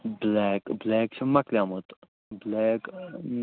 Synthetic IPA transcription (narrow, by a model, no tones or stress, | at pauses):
blɛːkblɛːkt͡ʃʰimɐklijaːmot̪ | blɛːk